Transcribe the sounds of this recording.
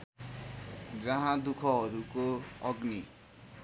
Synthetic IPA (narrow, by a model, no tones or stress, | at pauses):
d͡zʌɦãd̪ukʰʌɦʌɾukoʌɡni